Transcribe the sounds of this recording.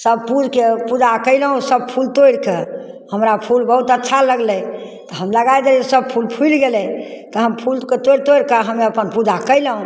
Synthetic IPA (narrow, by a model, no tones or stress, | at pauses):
səb̚pud͡ʒkepud͡ʒakəɪləɦũsəb̚pʰult̪ojɽkehəmɾapʰulbəɦut̪ətːʃʰaləɡlɛ | t̪ɔɦəmləɡajd͡ʒaesəb̚pʰulpʰuilɡelɛt̪ɔɦəmpʰulket̪oɾt̪oɽkəɦəmeəpənpud͡ʒakəɪləɦũ